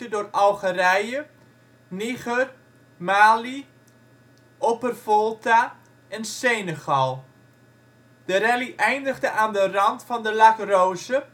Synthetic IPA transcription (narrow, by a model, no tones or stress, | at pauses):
ədoːrɑlˠχərɛjə | niχər | maːli | ʔopərvɔlˠta | ɛnsenəɣɑlˠ | d̥əɾɛliʔɛjndəχdəʔaːndərɑntfɑndəlakrowzə